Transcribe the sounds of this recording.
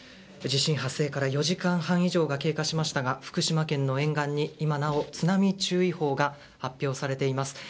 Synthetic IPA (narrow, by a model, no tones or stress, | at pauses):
d͡ʑiɕĩɰ̃ɦase̞ːkaɾajo̞ʑikãɰ̃hãɰ̃iʑo̞ːɡake̞ːkaɕimaɕi̥t̪aɡaɸɯ̥kɯ̟ɕimakẽ̞nːo̞ẽ̞ŋɡãɲ̟ːiimanao̞t͡sɨnamʲit͡ɕɨːiho̞ːɡa | hapʲːjo̞ːsaɾe̞t̪e̞imasɨ̥